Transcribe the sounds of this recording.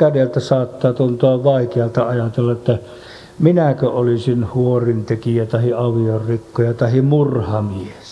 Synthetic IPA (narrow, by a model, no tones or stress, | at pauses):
kædelt̪æsɑːt̪ːɑːt̪unt̪oɑʋʋɑikeɑlt̪ɑɑjɑt̪elːɑet̪ːæ | minækøolisinhuorint̪ekijæt̪ɑhiɑʋiorrikːojɑt̪ɑhimurhɑmies